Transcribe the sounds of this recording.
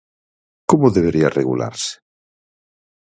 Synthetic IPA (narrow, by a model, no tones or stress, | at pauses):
komoðeβ̞eɾiareɣṵla̰ɾse̥